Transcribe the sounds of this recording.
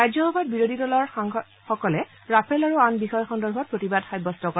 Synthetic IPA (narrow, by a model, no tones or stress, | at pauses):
ajzɔbʱabɔt̚biɹodʱidɔlɔɹ | xɔkɔlɛ | ɹapʰɛlaɹuanbixɔjɔxɔndɔɹbʱɔt̚pɹotibadxajbɔstɔkɔ